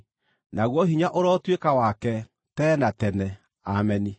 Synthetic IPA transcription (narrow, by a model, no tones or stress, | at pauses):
naɣwɔɦiɲaʔoɾɔtwekawakɛ | tɛːnatɛnɛ | amɛni